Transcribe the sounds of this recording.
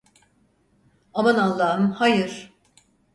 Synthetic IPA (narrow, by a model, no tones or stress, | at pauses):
amanalˠːaːɯmhajɯɾ̥